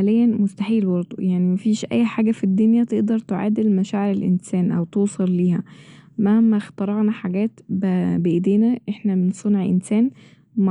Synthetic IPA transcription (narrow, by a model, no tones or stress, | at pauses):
lejːænmost̪aħiːlwɑɾt̪ojaʕnimæfiːʃʔæ̰jːħaːɡæfid̪ːonjæt̪eʔd̪ɑɾˤt̪eʕa̰ːd̪elmæʃæːʕeɾelʔḛnsæːnʔæ̰wt̪oːsˤɑlːiːhæmæhmːæxt̪ɑɾˤɑɣnɑħaɡæːt̪bbeʔed̪eːnæʔeħnæmensˤonʕʔḛnsæːn | m